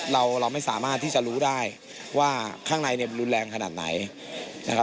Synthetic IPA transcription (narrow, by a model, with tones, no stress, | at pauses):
ɾa˧wɾa˧wma˥˩jsaː˩˦maː˥˩t̪ʰːiː˥˩t͡ɕa˨ʔɾuː˦˥daː˥˩j | waː˥˩kʰaː˥˩ŋna˧jni˥˩nɾu˧˦nlɛː˧ŋkʰa˧naː˨˩t̪̚na̰˩˦j | na̰˦˥kʰa˦